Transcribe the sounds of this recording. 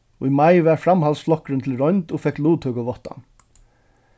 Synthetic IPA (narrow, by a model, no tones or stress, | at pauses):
ɔimajʋæɾfɾamhalsflɔhkɾɪnt̪ʰɪlɾɔjnt̪ɔfɛkluːt̪hœkəʋɔht̪ːa̰n